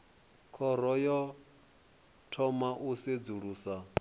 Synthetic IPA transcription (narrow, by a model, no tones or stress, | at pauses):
kʰɔɾɔjɔ | tʰɔmaʔused͡zuɺuːsa